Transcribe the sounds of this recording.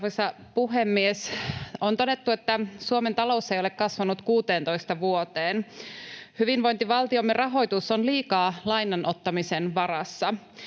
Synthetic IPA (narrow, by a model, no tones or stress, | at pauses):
osɑ | puɦemːiesont̪o̞de̞t̪ːuet̪ːæsuoment̪ɑlo̞usːɑejolekkɑsʋɑnut̪kuːt̪eːnt̪o̞jst̪ɑʋuot̪eːn | hyʋinʋo̞jnt̪iʋɑlt̪iomːerʔɑɦo̞jt̪usonliːkɑːlɑjnːɑnʔo̞t̪ːɑmisenʋɑɾɑsːɑ